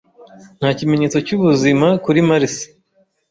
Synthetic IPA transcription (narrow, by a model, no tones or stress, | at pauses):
n̥haːcime̞ɲe̞ːt͡so̞cuβuzimakuɾimaɾisi̥